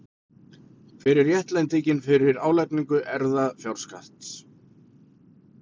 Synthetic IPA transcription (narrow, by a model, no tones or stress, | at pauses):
fɪɾɪɾjɛht̪lɛjnt̪icɪnfɪɾɪɾaːwlɛjkniŋkʏʔɛɾðafjawɾ̥skaht̪s